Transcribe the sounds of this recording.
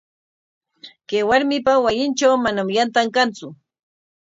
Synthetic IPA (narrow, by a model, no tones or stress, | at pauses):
kejwaɾmɪpawajɪnt͡ʃawmanamjant̪aŋkant͡sʊ